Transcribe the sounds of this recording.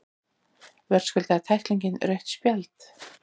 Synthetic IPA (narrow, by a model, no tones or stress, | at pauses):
vɛɾ̥skʏlt̪at̪ʰajhk̪liɲcɪnɾœɥht̪spjalt̪